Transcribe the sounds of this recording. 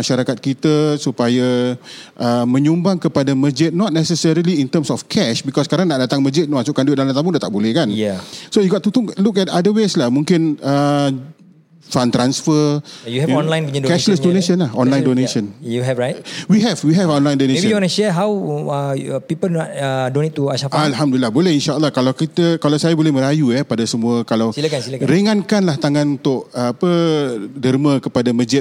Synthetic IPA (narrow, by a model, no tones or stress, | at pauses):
maʃaɾakat̪̚kit̪asupajaʔəmə̃ɲumbaŋkəpadaməd͡ʒɪt̪̚nɔt̪̚nɛsəsəɾiliint̪əmsɔfkʰɛʃbikɔskaɾaŋnaʔdat̪aŋməd͡ʒɪt̪̚masuʔkanduit̪̚dalat̪amuŋdat̪aʔbolɛhkanjɛsojuɡɔt̪t̪ːut̪ɔŋlukɛtadəweslahmũŋkɪnə | fãnt̪ɾansfəjuhɛvɔnlãj̃nidkɛʃləsdoneʃə̃nlahɔ̃nlaj̃ndoneʃə̃njuɦɛvɹajtwiɦɛvwiɦɛvɔ̃nlajndonẽə̃ɔnaʃɛɦaw | pipəlɔdonet̪ːuaʃafalɦamdulilːabolɛhinʃaəlːahkalawkit̪əkalawsajabolɛhmə̃ɾajuɛpadasəmũakalawsilakansilakɾiŋãnkanlaht̪aŋanunt̪ʊʔəapədərmə̃kəpadaməd͡ʒɪt̚